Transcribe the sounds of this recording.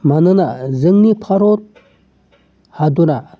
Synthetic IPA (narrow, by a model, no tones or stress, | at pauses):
manənazəŋnipʰaɾor | had̪oɾa